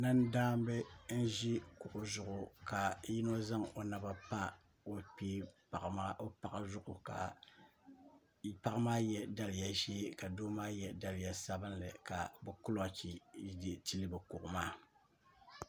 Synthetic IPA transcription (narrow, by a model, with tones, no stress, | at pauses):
na˦ndaː˦m˦bɨ˦n̩˦ʒi˦kʊ˨ʔʊ˨zʊ˨ʔʊ˨ka˨ji˦no˦za˦ŋo˨na˨ba˨pa˦ | o˦piː˦pa˨ʔmaː˦o˦pa˨ʔa˨zʊ˦ʔʊ˨ka̰˨ | pa˦ʔmaː˦jɛ˨da˨lɪ˨ja˨ʒeː˦ka˨doː˦maː˦jɛ˨da˨lɪ˨ja˨sa˦bɨ˦nlɨ˨ka˨bɨ˨kʊ˦lo˨t͡ʃi˨di˨ti˦lɨ˦bɨ˨kʊ˨ʔʊ˨maː˦˨